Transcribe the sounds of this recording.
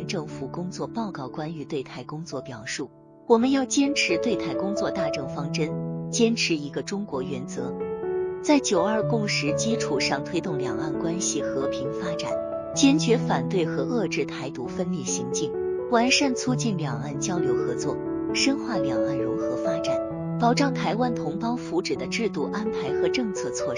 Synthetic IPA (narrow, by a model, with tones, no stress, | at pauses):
nʈ͡ʂɤ˥˩ŋfu˨˩kʊ˥ŋt͡swɔ˥˧pɑ˥˧ʊkɑ˥˩ʊkwa˥ny˧˥t̪we˥˧ɪt̪ʰa˥˩ɪkʊ˥ŋt͡swɔ˥˩pjɑ˨˩ʊʂu˥˩ | wɔ˨˩mə˦njɑ˥˩ʊt͡ɕjɛ˥nʈ͡ʂʰɻ̩˧˥t̪we˥˧ɪt̪ʰa˥˩ɪkʊ˥ŋt͡swɔ˥˧t̪a˥˧ʈ͡ʂɤ˥˩ŋfɑ˥ŋʈ͡ʂə˥nt͡ɕjɛ˥nʈ͡ʂʰɻ̩˧˥i˧˥ɡə˧ʈ͡ʂʊ˥ŋkwɔ˧˥ɥɛ˧˥nt͡sɤ̰˧˥t͡sa˥˩ɪt͡ɕjo˨˩ʊə˞˥˧˩kʊ˥˩ŋʂɻ̩˧˥t͡ɕi˥ʈ͡ʂʰu˨˩ʂɑ˥˩ŋt̪ʰwe˥ɪt̪ʊ˥˩ŋljɑ̰˨˩ŋa̰˥˩nkwa˥nɕi˨˩xɤ˧˥pʰi˧˥ŋfa˥ʈ͡ʂa̰˨˩˦n | t͡ɕjɛ˥nt͡ɕɥɛ˧˥fa˨˩nt̪we˥˩ɪxɤ˧˥ʔɤ˥˧ʈ͡ʂɻ̩˥˩t̪ʰa˧˥ɪt̪ṵ˧˥fə˥nli˥˩ɕḭ˧˥ŋt͡ɕi˥˩ŋwa˧˥nʂa˥˧nt͡sʰu˥t͡ɕi˥˩nljɑ˨˩ŋa˥˩nt͡ɕjɑ˥ʊljo˧˥ʊxɤ˧˥t͡swɔ̰˥˩ | ʂə˥nxwa˥˩ljɑ˨˩ŋa˥˩nɻʊ˧˥ŋxɤ˧˥fa˥ʈ͡ʂa˨˩˦n | pɑ˨˩ʊʈ͡ʂɑ˥˩ŋt̪ʰa˧˥ɪwa˥nt̪ʰʊ˧˥ŋpɑ˥ʊfu˧˥ʈ͡ʂɻ̩˨˩d̪ə˦ʈ͡ʂɻ̩˥˧t̪u˥˩ʔa˥npʰa˧˥ɪxɤ˧˥ʈ͡ʂɤ˥˧ŋt͡sʰɤ˥˧t͡sʰwɔ˥˧